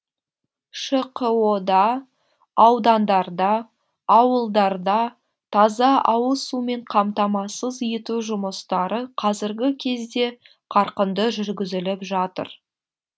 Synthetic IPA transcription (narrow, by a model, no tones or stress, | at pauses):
ʃəqəwod̪ɑ | ɑwd̪ɑnd̪ɑɾd̪ɑː | wəlˠd̪ɑɾd̪ɑ | t̪ʰɑzɑʔɑwəlˠsume̞ɴqʰɑmt̪ɑmɑsəzijɪt̪uʒʊməst̪ɑɾəqʰɑzɪɾɡʲɪkʲʰe̞zd̪e̞ | qʰɑɾqənd̪əʒʏɾɡʲɪzɪlɪpʒɑt̪ə̰ɾ